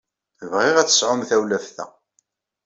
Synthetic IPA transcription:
əvʁɪʁæt͡sːə̥sʕʊmθæwlæfθæ̰

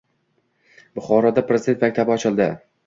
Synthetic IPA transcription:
bʊχɒɾɒd̪apɾezɪd̪et̪makʲt̪ʰabɪɒt͡ʃʰɪlˠd̪ɪ

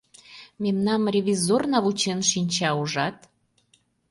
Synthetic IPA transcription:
memnɑmrʲeβʲizornɑβut͡ɕenʃinʲt͡ɕɑuʒɑt̪

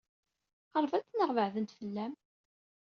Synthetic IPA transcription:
əɾˤvæt͡sːnəʁvəʕðənt̪fəlːæm

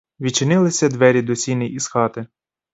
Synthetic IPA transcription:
ʋʲit͡ʃɪnɪlˠɪsʲɐd̪ʋɛɾʲid̪ɔsʲinɪjisxɑt̪ɪ

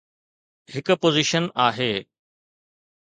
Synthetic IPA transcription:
hɪkpoːziʃənaːɦeː

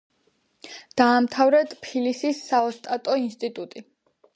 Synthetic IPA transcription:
d̪̥aːmt̪ʰavɾɛt̪pʰilisisːaɔst̪ʼat̪ʼɔinst̪ʼit̪ʼut̪ʼi

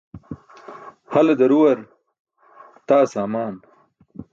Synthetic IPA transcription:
hɐled̪ɐɾuwɐɾ | t̪aːsaːmaːn

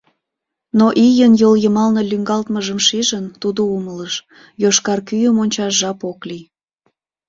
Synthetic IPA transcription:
noʔijənjoljəmɑlnəlʲyŋɡɑlt̪məʒəmʃiʒənt̪ud̪oumələʃ | joʃkɑrkyjəmonʲt͡ɕɑʒʒɑpokli

